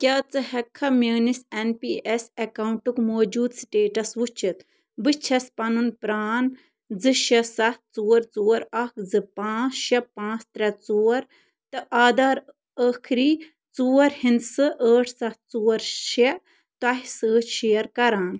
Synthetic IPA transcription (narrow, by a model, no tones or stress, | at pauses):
kʲɐːt͡sɨhɐkʰːɐmeːnisenpiesekawuɳʈukmoːd͡ʒuːd̪sʈeːʈɐsʋut͡ʃʰit̪ | bɨt͡ʃʰɐspɐnunpɾaːn | d͡zɨʃɐsɐt̚t͡suːɐɾt͡suːɐɾɐkd͡zɨpãːt͡sʃɐpãːt͡st̪ɾʲɐt͡soːɐɾ | t̪ɨʔaːd̪aːɾ | əkʰɾiː | t͡suːɐɾhind̪sɨʔəːʈʰsɐtt͡suːɐɾʃe | t̪wɐɦisəːt͡ʃʃeːjɐɾkɐɾaːn